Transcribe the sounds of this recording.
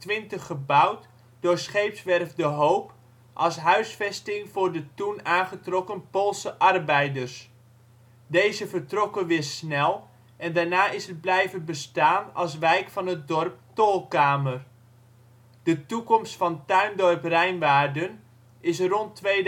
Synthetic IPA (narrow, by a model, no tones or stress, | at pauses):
tʋɪntəχːəbʌwt | d̥ʊːɹsχejpsʋɛrfdəɦowp | ʔɑlˠsɦœɥsfɛstɪŋvʊːɹdətunaːnχətrɔkənpoːlˠsəʔɑrbɛjdəɹs | dejzəvəɹtrɔkənʋɪːɹsnɛlˠ | ʔɛndaːɹnaːɪsəd̚blɛjvənbəstaːnɑ̰lˠs̬ʋɛjkfɑnɦət̚dɔɹp̚toːlˠkaːmər | d̥ətukɔmstfɑntœɥndɔɹprɛjnʋaːɹdən | ɪsrɔntʋe